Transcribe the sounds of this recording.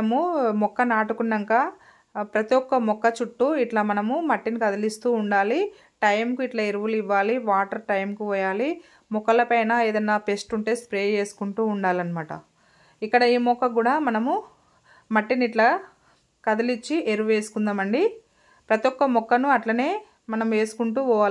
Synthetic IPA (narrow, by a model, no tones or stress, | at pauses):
ɐmumɔkːɐnaːʈukunːɐŋkaː | pɾɐt̪ijɔkːɐmɔkːɐt͡ʃuʈːuiʈlɐmɐnɐmumɐʈːinikɐd̪ɐlist̪uːɳɖaːli | ʈɐjmkuiʈlɐeɾuʋuliʋːaːliʋaːʈɐɾʈɐjmkuʋɔːjaːli | mɔkɐlɐpɐjnaeːd̪ɐnːaːpesʈuɳʈe̞ːspɾeːe̞ːsu̥kuɳʈuːuɳɖaːlɐnɐmaːʈɐ̰ | ikːɐɽɐiːmɔkːɐɡuːɽaːmɐnɐmu | mɐʈːiniiʈlɐ | kɐd̪ɐlit͡ʃːiʔe̞ɾuʋuʋe̞ːsu̥kund̪aːmɐɳɖi | pɾɐt̪ijɔkːɐmɔkːɐnuɐʈlɐne̞ː | mɐnɐmʋe̞ːsu̥kuɳʈuːʋɔːʋaː